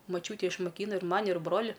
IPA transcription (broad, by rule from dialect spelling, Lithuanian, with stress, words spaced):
moːˈt͡ʃʲuːtʲeː ɪʃmoːˈkʲiːnɐ ɪr ˈmɑːnʲɪ ɪr ˈbroːlʲɪ